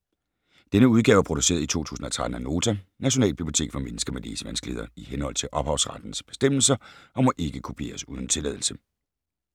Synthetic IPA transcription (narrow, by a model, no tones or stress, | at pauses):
d̥enəuð̞ˠɡɛːʊæɐpʰʁod̥use̝̰ːɐðˠit͡sʰo̝̰ːt͡sʰṵːsn̩ɒ̽t͡sʰʁäd̥n̩æno̝ːt͡sʰænæɕo̝nɛ̰ːlb̥ib̥iot͡sʰe̝̰ːɡ̥fɒ̽menəsɡ̥ɐmelḛːsəʋænsɡ̥leðˠɐihenhɒ̽l̰t͡sʰe̝lʔɒ̽b̥hɑ̈ʊsʁad̥n̩sb̥e̝sd̥em̰l̩sɐʔɒ̽mɒ̽ʔe̝ɡ̥əkʰo̝pʰe̝̰ːɐsuːð̞ˠn̩t͡sʰe̝lɛ̰ð̞ˠl̩sə